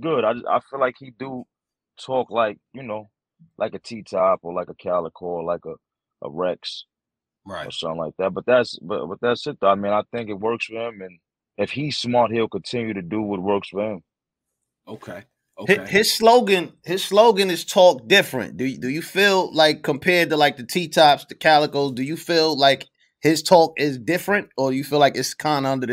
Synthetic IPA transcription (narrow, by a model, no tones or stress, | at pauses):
ɡ̥ʊɾaɪd͡ʒa̰ɪfilaɪkhidə | tʰɔklaɪk̚jɨnoʊ | lʔaɪkɨtʰitʰapə˞laɪkəkʰælˠəkʰɔɹlaɪkə | ʔə̰ɹɛks | aɪə̰˞sʌ̃θɪ̃ŋlaɪk̚ðæt̚b̥ʌt̪̚ðætsb̥ʌ̰b̥ʌt̪̚ðætsɪt̪̚əaɪmĩnaɪθɪ̃ŋkɨt̚wɜ˞kswəɨ˞ɪ̃mɨ̃n | ɨfhi̥smɑt̚hilˠkɨ̃n̩tʰɪ̃njɨɾɨdəwʌt̚wɜ˞kswə˞ɪ̃m | oʊkʰeɪ | ohɪhɪz̥sloʊɡɨ̃nhɪz̥sloʊɡɨ̃nɨz̥tʰɔk̚d̥ɪfɹɨ̰̃ntd̥ɨdɨjɨfilˠlaɪkʰːə̃mpʰɛɹd̚təlaɪk̚ðɨtʰitʰapstɨkʰælˠəkl̩ˠzdɨjɨfilˠlaɪk | hɪz̥tʰɔkɪzdɪfɹɨ̃nt̚ə˞ɨjɨfilaɪkɨtskʰãɪ̃nʌ̃ndə˞ð